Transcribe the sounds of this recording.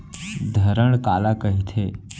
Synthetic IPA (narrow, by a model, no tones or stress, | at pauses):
d̪ʱəɾəɳ̃kaːlakəɦit̪ʰe